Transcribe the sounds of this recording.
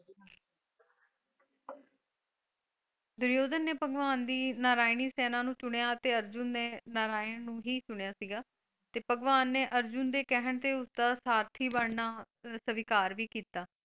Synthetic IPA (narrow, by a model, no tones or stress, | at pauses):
d̪ʊɾjoːd̪ənːeːpəɡʋaːnd̪iːnaːɾaːɪniːsɛːnãːnũːt͡ʃʊɽejaːət̪eːəɾd͡ʒʊnːeːnaːɾaːɪɳnũːɦiːt͡ʃʊɳejaːsiːɡaː | t̪eːpəɡʋaːnːeːʔəɾd͡ʒʊnd̪eːkɛɦəɳt̪eːʊsd̪aːsaːɾt̪ʰiːbəɽnaː | səʋɪkaːɾʋiːkiːt̪aː